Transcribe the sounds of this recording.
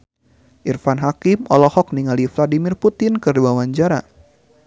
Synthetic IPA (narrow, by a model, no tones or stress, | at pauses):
ʔirfanɦakɪmɔlɔhɔk̚niŋalifladimɪrput̪ɪnkɨrduawaɲd͡ʒaɾa̰